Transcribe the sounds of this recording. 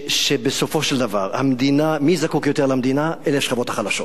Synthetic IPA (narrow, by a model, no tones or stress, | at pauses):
ʃebeso̞foʃeld̪avaʁha̰md̪inamizakukjot̪eʁlamd̪inaʔelefʃχabo̞t̪aχalaʃo̞t